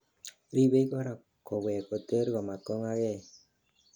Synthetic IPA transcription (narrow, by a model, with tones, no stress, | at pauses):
ɾi˦be˦i˦kɔ˦ɾa˨ | kɔ˨wɛ˨ko˨te˦ɾɣɔ˨ma˨kɔ˦ŋa˦ɣɛ˦˨